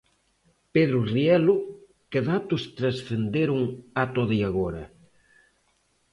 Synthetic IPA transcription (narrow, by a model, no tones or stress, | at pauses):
peðɾʊriɛlʊ | keðat̪ʊst̪ɾɐsθend̪eɾuŋat̪oðiaɣɔɾɐ